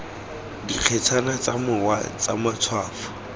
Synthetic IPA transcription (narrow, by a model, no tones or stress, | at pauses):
diq͡χʰɛt͡sʰanat͡samʊwat͡sa̰mat͡sʰwaːfɔ̥